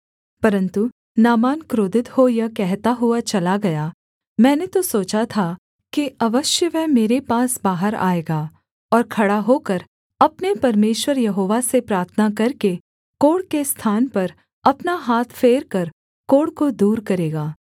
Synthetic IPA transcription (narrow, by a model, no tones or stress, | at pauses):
pɐɾə̃nt̪u | naːmaːnkɾoːd̪ɪt̪hojakɛɦt̪aɦʊat͡ʃɐlaɡɐja | mɛ̃ːnet̪osoːt͡ʃat̪ʰa | kiɐʋəʃjəʋɛmeːɾepaːsbaːɦəɾa̰ːeːɡaː | ɔːɾkʰɐɽaɦoːkɐɾ | ɐpnepɐɾmeːʃwəɾjɐɦoːʋasepɾaːɾt̪ʰənakɐɾke | koːɽkest̪ʰaːnpɐɾ | ɐpnaɦaːt̪ʰfʰeːɾkɐɾ | koːɽkod̪uːɾkɐɾeːɡaː